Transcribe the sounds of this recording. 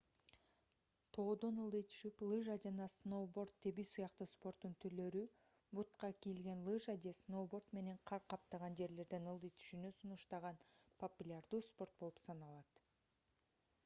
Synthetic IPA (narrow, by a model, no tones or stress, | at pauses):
t̪ʰo̞ːd̪onɯlˠd̪ɯjt̪ʰy̥ʃyplˠɨʒad͡ʒɑnɑsno̞bo̞ɾt̪ʰːe̞bisujɑqt̪ɯspo̞ɾt̪ːunt̪ʰyɾlø̞ɾy | but̪qɑkijlɡe̞nlˠɯʒad̪ʲesno̞bo̞rt̪me̞ne̞ɴqʰɑɾqʰɑp̚t̪ɑʁɑnd͡ʒe̞ɾle̞ɾd̪enɯlˠd̪ɯjt̪ʰy̥ʃynysunuʃt̪ɑʁɑnpʰopulʲard̪uːspo̞ɾt̪̚bo̞lˠupsɑnɑlˠɑt̪